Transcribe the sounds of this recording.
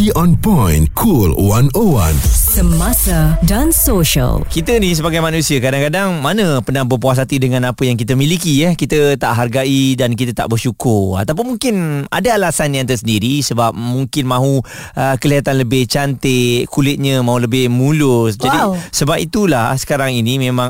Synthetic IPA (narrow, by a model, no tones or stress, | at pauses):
iɔ̃npajnkʰulwanowã̰nsəmasədãnsoʃə̰lkit̪ənis̬əbaɡajmanũsiakadaŋkadaŋmanə̃pənahbəp̬uas̬at̪idəŋãnapəjaŋkit̪əmĩlikijəkit̪ət̪aʔɦarɡaʔidank̬it̪ət̪a̰ʔbərʃukʊra̰t̪awp̬ʊnmuŋkɪna̰daalasanãnt̪̬əsəndiɾisəbap̚muŋkɪnmãɦuʔəkəliat̪anləbɪht͡ʃant̪ɪkulɪt̪̚ɲəmãɦuləbɪhmulʊsd͡ʒadisəbapit̪ulasə̥kaɾaŋinimẽmãŋ